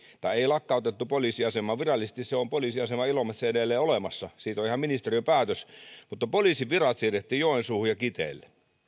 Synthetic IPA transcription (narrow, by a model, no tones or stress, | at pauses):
t̪ɑˑieˑilɑkːɑˑut̪et̪ːupoliːsiɑsemˑɑːʋirɑlːˑise̥st̪isseompoliˑːsiɑsemɑilomɑsseedelːˑeːolemɑsːɑsiːt̪oihɑminist̪eriøpæːt̪øsmut̪ːɑpoliˑsiʋirɑt̪siːret̪ːiːjoˑensuːhujɑkit̪ḛːˑlːe